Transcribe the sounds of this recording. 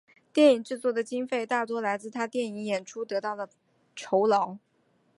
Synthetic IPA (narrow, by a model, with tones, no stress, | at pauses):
t̪jɛ˥˩ni˨˩ŋʈ͡ʂɻ̩˥˧t͡swɔ˥˩d̪ə˩t͡ɕi˥ŋfe˥˧ɪt̪a˥˩t̪̬wɔ˥la˧˥ɪt͡sɹ̩˥˩t̪ʰa˥t̪jɛ˥˩ni˧˥ŋjɛ˨˩nʈ͡ʂʰu˥t̪ɤ˧˥t̪ɑ˥˩ʊlə˩ | ʈ͡ʂʰo˧˥ʊlɑ˧˥ʊ